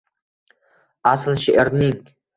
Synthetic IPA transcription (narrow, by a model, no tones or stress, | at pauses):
aslˠʃeʔɾnɪŋ